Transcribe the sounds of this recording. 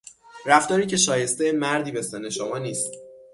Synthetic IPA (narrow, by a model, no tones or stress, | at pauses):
ɾæft̪ɒːɾiːcʰe̞ʃɒːje̞st̪ejemæɾd̪iːbe̞sene̞ʃomɒːniːst̪